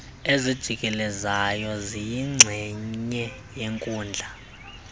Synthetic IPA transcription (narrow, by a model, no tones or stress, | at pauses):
ezid̥ʒ̥ʱik̬ʼɛlɛzajɔzijiŋ͡ǀʱɛɲɛ | jeŋkʼuːnd͡ɮʱa